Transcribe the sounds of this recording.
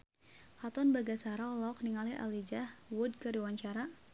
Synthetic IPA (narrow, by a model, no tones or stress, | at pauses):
hat̪ɔnbaɡasaɾaɔlɔk̚niŋaliʔa̰lid͡ʒahwʊd̚kɨɾiwaɲt͡ʃaɾa